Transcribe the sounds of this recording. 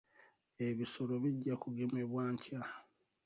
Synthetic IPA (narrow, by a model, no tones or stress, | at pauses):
eβiso̞lo̞βiɟːakuɡe̞meβwaːɲcʰa